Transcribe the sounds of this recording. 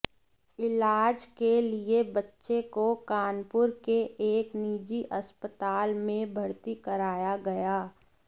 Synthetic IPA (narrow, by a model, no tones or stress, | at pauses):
ɪlaːd͡ʒkeliebɐtːʃekokaːnpʊɾkeʔeːkniːd͡ʒiʔɐspət̪aːlmẽbʱɐɾt̪ikəɾaːjaɡɐjaː